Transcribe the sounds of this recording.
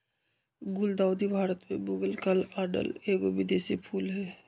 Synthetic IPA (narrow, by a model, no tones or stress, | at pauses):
ɡʊld̪aʊd̪ibʱaːɾət̪mẽbʊɡəlkəlaːɾɖə̰leːɡobɪd̪esipʰuːlɦɛː